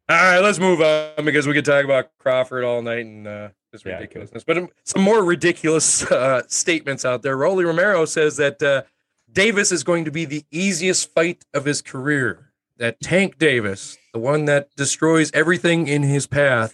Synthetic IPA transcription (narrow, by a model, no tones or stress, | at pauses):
aaɪlətsmuvʌn̩bɨkʌzwikɨ̃ntʰɔkəbaʊt̚kʰɹ̥ɑfə˞ɾɔlˠnaɪtn̩ʌðɪsɹɨdɪkjl̩ˠəsnɨsb̥ʌɾsʌ̃mːɔɹɹɨdɪkʰjl̩ˠəsʌːteɪt̚mɨ̃ntsaʊt̪̚ðə˞ɹoʊlˠiɹɨmɛɹoʊsɛzðɨtʌ | d̥eɪvɨsɨzɡoʊɪ̃ŋtʰɨbiðiiziɨstfaɪɾʌv̥ɨz̥kʰə˞ɪɹ | ðɨtʰæ̃ŋk̚d̥eɪvɨsðəwʌ̃nðɨt̚d̥ɨstɹ̥ɔɪzɛvɹiθɪ̃ŋɪ̃nɪz̥pʰæθ